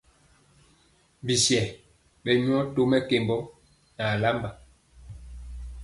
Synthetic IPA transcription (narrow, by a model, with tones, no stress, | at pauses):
bi˨sjɛ˨ | ɓɛ˨ɲu˦ɔ˦to˦mɛ˦ke˨mbɔ˦ | na˨la˦mba˨